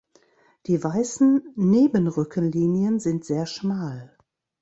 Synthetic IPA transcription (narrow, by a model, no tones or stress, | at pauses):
d̥iːvaɪsn̩neːbənʁʏkʰənliːnjənzɪntz̥eːɐʃmaːl